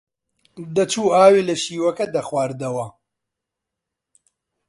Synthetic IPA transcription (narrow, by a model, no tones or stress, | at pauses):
d̪ɐt͡ʃuːaːwiːlɐʃiːwɐkɐd̪ɐxwaːɾd̪ɐwɐ